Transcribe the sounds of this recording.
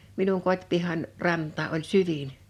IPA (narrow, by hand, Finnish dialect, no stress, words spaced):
minuŋ kotʲpihɑn rɑntˑɑː ʔolʲ syʋin